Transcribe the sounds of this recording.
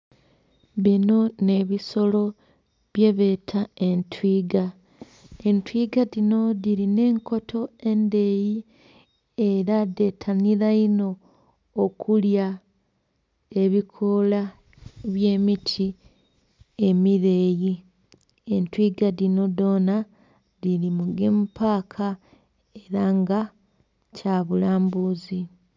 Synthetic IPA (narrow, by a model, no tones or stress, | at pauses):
βino̞ne̞βiso̞lo̞ | βje̞βe̞tʰae̞ntʰwiːɡa | entwiɡadino̞ðiɾine̞ːŋko̞tʰo̞e̞nde̞ji | e̞ɾade̞tʰaniɾaino̞ː | kʰulja | e̞βikʰo̞la | βje̞ːmitʰi | e̞miɾe̞ːji | e̞ntwiɡadino̞do̞ːna | ðilimuɡempaːkʰa | e̞ɾaŋɡa | caβulaːmbuːzi